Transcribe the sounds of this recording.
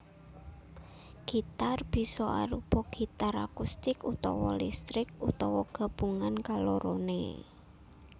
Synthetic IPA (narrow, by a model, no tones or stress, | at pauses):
ɡ̥it̪arb̥i̤sɔa̰ɾupɔɡ̥i̤t̪aɾakust̪ɪkut̪ɔ̰wɔlist̪ɾɪk̚ut̪ɔwɔɡ̥a̤b̥uŋankaloɾonḛ